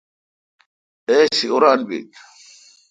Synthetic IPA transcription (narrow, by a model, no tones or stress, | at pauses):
eːsiuɾaːnbḭt̪